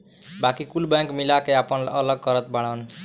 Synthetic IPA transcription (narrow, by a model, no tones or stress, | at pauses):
bakikulbɛ̃ŋkmilakeapʌnəlʌɡ̚kʌɾət̪̚baɽ̃an